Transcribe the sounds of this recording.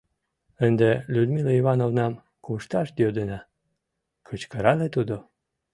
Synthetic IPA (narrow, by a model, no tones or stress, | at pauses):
ənd̪elʲud̪milaiβɑnovnɑm | kuʃt̪ɑʃd̪jod̪enɑ | kʰət͡ɕkəɾɑlet̪ud̪o